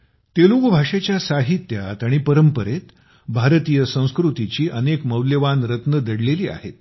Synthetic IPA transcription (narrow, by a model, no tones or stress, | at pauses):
t̪eluɡbʱaʂet͡ɕjasaɦit̪jat̪aɽ̃ipəɾəmpəɾet̪ | bʱaɾt̪ijəsə̃w̃skɾut̪it͡ɕiːʔənekməwləʋanɾət̪nəd̪əɽleliːa̰ɦḛt̪̚